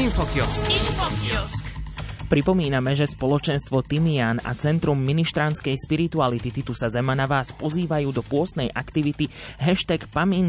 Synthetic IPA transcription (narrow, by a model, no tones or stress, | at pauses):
infɔkiɔskinfɔkskpɾipɔmiːnamɛʒɛspɔlɔt͡ʃɛnst̪ʋɔt̪imiana̰t͡sɛnt̪ɾumːiniʃt̪ɾanskɛjʃpiɾit̪ualit̪it̪it̪usazɛmanaʋaːspɔziːʋajuːd̪ɔpʊɔst̪nɛjʔakt̪iʋit̪iɦɛʃt̪ɛkpamin